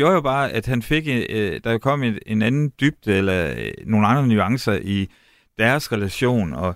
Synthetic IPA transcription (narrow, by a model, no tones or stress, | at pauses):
jo̝ɐjo̝b̥ɑ̈ːʔæd̥hænfe̝ɡ̥d̥ɑ̈jokʰɒ̽m̰ee̝nænn̩d̥yb̥̚d̥elɐno̝ːn̩ɑ̈nd̥ʁɐnyɑ̈ŋsɐʔi | d̥æɐsʁɛlæɕo̝̰ːnɒ̽